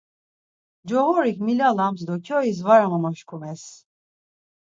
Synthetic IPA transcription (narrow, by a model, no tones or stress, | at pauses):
d͡ʒoɦoɾikmilʲalˠamzd̪ocʲʰøiz̬vaɾamamaʃkʰumɛs